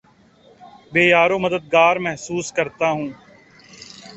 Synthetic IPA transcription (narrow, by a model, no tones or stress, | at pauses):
beːjaːɾõːməd̪əd̪̚ɡaːɾmɛɦsuːskəɾt̪aɦũː